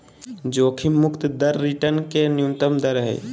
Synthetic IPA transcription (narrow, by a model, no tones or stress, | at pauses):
d͡ʒoːkʰimːukt̪d̪əɾːiʈənkenjunt̪əmd̪əɾɦə̰j